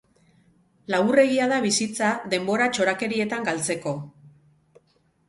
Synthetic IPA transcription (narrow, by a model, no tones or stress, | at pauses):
laɣure̞ɣiaðaβisit͡saðe̞mbo̞ɾat͡ʃo̞ɾake̞ɾie̞t̪aŋɡalt͡se̞ko̞